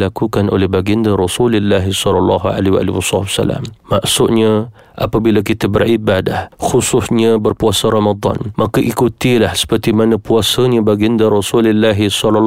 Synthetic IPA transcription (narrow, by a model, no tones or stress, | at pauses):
lakukano̰lɛhbaɡiəndaɾɔsulɪlːaɦisɔlɔlːɑ̰ɦua̰liwa̰liwɔsɑbsa̰la̰mmaʔsʊʔɲə | ʔa̰pabilak̬it̪əbərʔibadahxusʊsɲəbərpuasəɾomad̪ˤɑ̰nmʔakəʔikut̪ilahsə̥pərt̪imanəpuasəɲəbaɡiəndaɾɔsulɪlːaɦisɔlɔlː